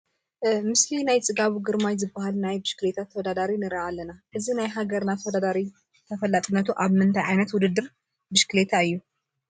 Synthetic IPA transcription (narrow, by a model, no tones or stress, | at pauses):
mɨslinajt͡sʼɨɡaβuɡɨɾmajzɨbːahalnajbɨʃkɨlet̪ʰat̪ʰːɐwod̪ad̪aɾinɨɾʔalːɐnaʔɨzinajɦaɡɐɾnat̪ʰɐwɐd̪ad̪aɾi | t̪ʰɐfɐlːat̪ʼɨnːɐt̪ʰuʔaβmɨnt̪ʰajʕajnɐt̪wʊd̪ɨd̪ːɨɾ | bɨʃkɨlet̪ʰaɨjːu